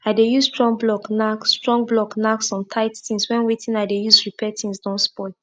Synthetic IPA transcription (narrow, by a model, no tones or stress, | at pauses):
adejuzstɹɔ̃ŋblɔknakːtɹɔ̃ŋblɔknaksɔ̃ntʰaɪttĩnswɛ̃nwetʰĩnaɪdejuzɹipʰɛtʰĩnsdɔ̃nspɔl